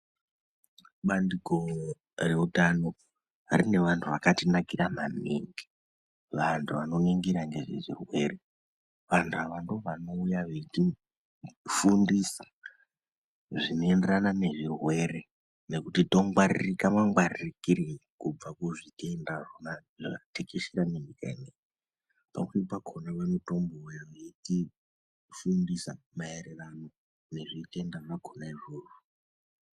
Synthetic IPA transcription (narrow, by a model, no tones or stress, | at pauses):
ɓandiko̞ | re̞utano̞ | rine̞ʋantʰuʋakatinakiɾamanḭŋɡi̥ | ʋantʰuʋano̞neŋɡiɾaŋɡe̞ʐḛʐḭrwe̞re | ʋantʰuaʋando̞ʋano̞ujaʐet͡ʃi | fundisḁ | ʐino̞e̞nderanane̞ʐirwe̞re̞ | ne̞kutito̞ŋɡwaririkamaŋɡwaririkiɾikub͡vakuʐitendaʐonaʐia̰tekeʃiɾanenika̰inej | pa̰meipakʰonawemuto̞mbo̞wejoeti | fundisa | maeɾerano̞ | ne̞ʐite̞ndaʐakʰonaiʐoːru